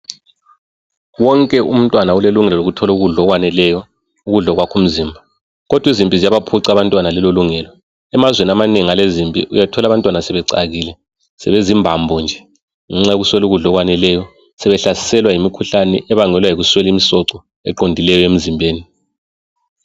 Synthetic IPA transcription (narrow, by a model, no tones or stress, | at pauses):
wɔŋkʼɛum̩tʼwanauleluŋɛlɔloɣutʰɔluɣuɮɔɣwanɛlɛjɔ | uɣuɮɔɣwakʰum̩zimbʱa | ɣɔd̥ʱwizimpʼizijaβapʰuǀiaβantʼwanalɛloluŋɛlɔ | ɛmazweniamaneŋialezimpʼḭʔujatʰɔlaβantʼwanasɛβɛǀa̰ɣiːlɛ | sɛβezimbʱambʱɔnd͡ʒʱɛ | ŋɛŋ͡ǀauɣuswɛluɣuɮɔɣwanɛlɛjɔ | sɛβɛɬasi̥sɛlwajimikʰuɬanɛʔɛβaŋɛlwajiɣuswɛlimisɔǀɔ | ɛ̰ǃondʱilɛjɔem̩zimbʱeːni